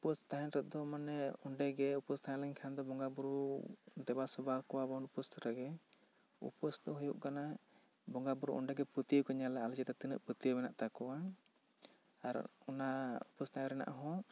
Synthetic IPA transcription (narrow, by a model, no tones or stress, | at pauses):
upɔst̪aɦɛ̃nɾɔd̪ɔmanɛuɳɖɛɡɛupɔst̪aalɛɲkʰand̪ɔbɔŋɡabuɾuud̪ɛbasubakɔwabɔnupust̪ɾaɡɛ | ṵpɔsd̪ɔɦujuʔkana | bɔŋɡabuɾṵʔɔ̰ɳɖɛɡɛput̪ijəkɔɲalɛald͡ʒɛd̪ɔt̪inə̰ʔput̪ijəbɛnaʔt̪akɔwa | aɾɔ̰naupɔsnajaɾɛna̰ʔɦɔ̃